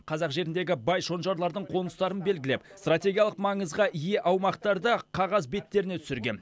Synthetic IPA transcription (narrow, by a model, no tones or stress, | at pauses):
qʰɑzɑqʒe̞ɾɪnd̪e̞ɡʲɪbɑjʃo̞nʒɑɾlˠɑɾd̪əɴqʰo̞nəst̪ɑɾənbe̞lɡʲɪle̞pst̪rat̪ʲe̞ɡʲijɑlˠəqmɑɴəzʁɑʔije̞ʔɑwmɑqt̪ɑɾd̪əqʰɑʁɑzbe̞t̪ːe̞ɾɪnet̪ʰʏ̥sɪɾɡʲe̞̰n